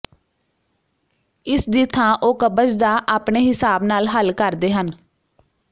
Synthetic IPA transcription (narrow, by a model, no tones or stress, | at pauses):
ɪsd̪iːt̪ʰãːʔoːkəbəd͡ʒd̪aːʔaːpɳeːɦɪsaːbnaːlɦəlkəɾd̪eːɦən